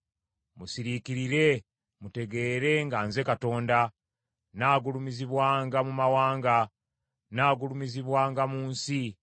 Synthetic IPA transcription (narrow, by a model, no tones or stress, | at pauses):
musiɾikiɾiɾe̞ | mute̞ɡe̞ːɾe̞ŋɡaːnze̞kato̞ːnda | naːɡulumiziβwaːŋɡamumawaːŋɡa | naːɡulumiziβwaːŋɡamuːnsi